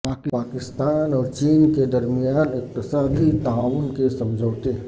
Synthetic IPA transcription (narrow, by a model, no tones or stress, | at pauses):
paːkɪpaːkɪst̪aːnɔːɾt͡ʃiːnked̪ɐɾmijaːnɪk̚t̪ɪsaːd̪it̪aaːwʊnkesɐ̃md͡ʒʱəːt̪eɦ